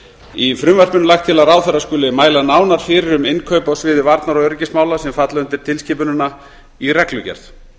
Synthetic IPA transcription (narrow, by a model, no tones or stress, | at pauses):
ifɾʏmvaɾ̥pʏnʏlaxt̪ʰɪlaðraːwθɛɾaskʏːlɪmaːjlanaːwnaɾ̥fɪɾɪɾʏmɪnkʰœɥpawsvɪːðɪvaɾt̪naɾɔɣœɾcɪsmaːwlasɛmfat̪laʏnt̪ɪɾ̥t̪ʰɪlscɪːpʏnʏnːa | irɛklʏcɛ̰ɾ̥θ